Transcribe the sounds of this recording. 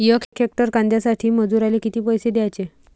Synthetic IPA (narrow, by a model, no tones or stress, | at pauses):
jəkʰekʰek̚ʈəɾkãnd̪jasaʈʰiːməd͡zuɾalekit̪iːpəjsed̪jajt͡ɕe